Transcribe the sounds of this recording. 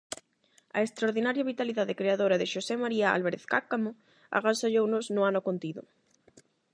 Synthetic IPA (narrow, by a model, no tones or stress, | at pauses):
ɐ̰est̪ɾaoɾðinaɾjaβit̪aliðaðekɾeaðoɾaðeʃosemaɾiaa̰lβaɾḛθka̰kamo | a̰ɣansaʎownoznʊanokont̪iðʊ̰